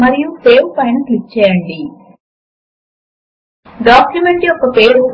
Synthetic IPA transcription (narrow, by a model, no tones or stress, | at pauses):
mɐɾijupeːʋpɐjnklit͡ʃːɛːjɐɳɖi | ɖaːkjumeɳʈiɔkɐpeːɾu